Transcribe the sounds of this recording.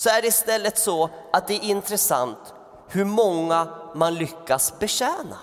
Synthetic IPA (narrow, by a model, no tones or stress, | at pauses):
sɔæɖɛɪst̪ɛlːət̪sɔat̪̚d̪ɛɾɪnt̪ɾɛsa̰nt̪ | hɵɾmɔŋːamanlʏkːasbɛɕɛːna̰